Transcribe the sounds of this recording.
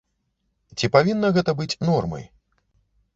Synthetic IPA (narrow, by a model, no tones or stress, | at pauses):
t͡sʲipavʲinːɐɣɛt̪ɐbɨt͡sʲnɔrmɐ̰j